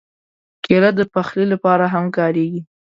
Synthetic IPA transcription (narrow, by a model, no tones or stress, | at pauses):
kelat̪̚d̪əpaxlilapɑɾaɦamkɑɾeɡi